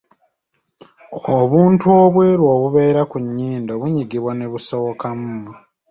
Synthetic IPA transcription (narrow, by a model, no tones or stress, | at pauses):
oβuːntuo̞βwe̞ɾwo̞ːβuβe̞ːɾakuɲːiːndo̞βuɲiɡiβwaneβusowokamuna